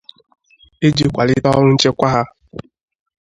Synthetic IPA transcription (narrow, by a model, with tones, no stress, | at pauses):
e˦d͡ʒi˦kʷa˨lɪ˦tɔ˦ŋʊ˦n̩˦t͡ʃe˦kʷa˦ɦa˦